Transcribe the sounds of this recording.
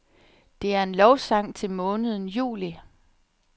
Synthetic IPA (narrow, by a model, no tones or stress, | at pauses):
d̥e̝æɐe̝nlɒʊsɑ̈ŋ̰t͡sʰe̝lmɔ̽ːnəð̞ˠn̩jṵːli